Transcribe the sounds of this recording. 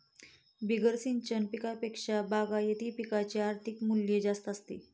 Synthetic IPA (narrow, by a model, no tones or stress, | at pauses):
biɡəɾsiɲt͡ɕənpikapekʂabaɡajet̪ʰiːpikat͡ɕeaɾt̪ʰikmuljed͡zast̪ast̪ḭ